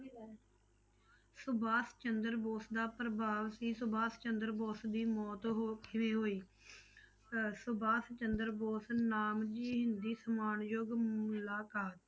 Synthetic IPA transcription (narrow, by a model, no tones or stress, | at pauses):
sʊbaːst͡ʃənd̪əɾboːsd̪aːpɾəbaːʋsiːsʊbaːst͡ʃənd̪əɾboːsd̪iːmɔːt̪ɦkʰɪʋeːɦoːiː | sʊbaːst͡ʃənd̪əɾboːsnaːmd͡ʒiːɦɪnd̪iːsəmaːnjoːɡmʊlaːkaːt̪̚